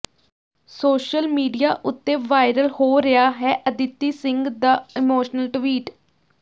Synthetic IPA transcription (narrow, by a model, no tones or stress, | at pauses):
soːʃəlmiːɖijaːʔʊt̪ːeːʋaːɪɾəlhoːɾɪaːɦɛːʔəd̪ɪt̪ːiːsɪ̃ŋɡd̪aːɪmoːʃnəlʈʋiːʈ